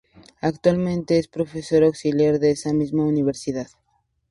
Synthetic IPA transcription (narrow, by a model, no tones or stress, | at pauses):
akt̪walmẽnt̪eespɾofesoɾawksiljaɾðeesamizmauniβ̞eɾsiðað